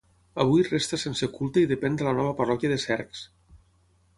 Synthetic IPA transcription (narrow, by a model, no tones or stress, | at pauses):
ɐβ̞ujrest̪əsensekulˠt̪əiðəpɛnd̪ələnɔβ̞əpɐrɔkjəðəsɛɾks